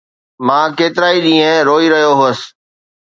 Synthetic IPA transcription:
mãːkeːt̪ɪɾaːiɗĩːẽɾoːiːɾəɦijoɦoːs

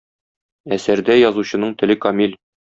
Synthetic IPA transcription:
æsæɾd̪æjɒzuɕɤ̆nɤɴt̪ɘ̆lɘkɒmʲilʲ

